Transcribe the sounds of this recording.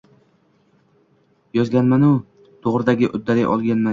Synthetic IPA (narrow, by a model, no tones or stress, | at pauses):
jɒzɡʲanmanʊ | t̪ʰoʁɾɪd̪aɡʲɪʔʊ̰d̪ːalɪjʔɒ̰lˠɡʲanma